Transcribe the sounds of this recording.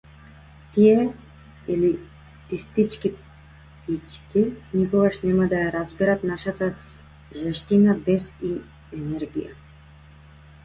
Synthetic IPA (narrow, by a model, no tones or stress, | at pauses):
t̪iɛ | ili | t̪ist̪it͡ʃki | pit͡ʃkinikɔɡaʃnɛmad̪ajaɾazbiɾat̪naʃat̪a | ʒɛʃt̪inabɛzi | ɛnɛɾɡḭja̰